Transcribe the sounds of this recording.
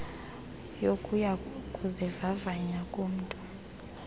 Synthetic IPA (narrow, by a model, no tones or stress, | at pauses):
jokʼujakʼuzɛvavaɲakʼum̩tʼu